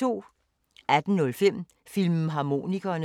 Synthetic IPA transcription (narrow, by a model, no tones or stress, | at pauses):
o̝̰ː | æd̥n̩nɔ̽lfem̰ | film̩ɦɑ̈mo̝̰ːniɡ̥ɐːn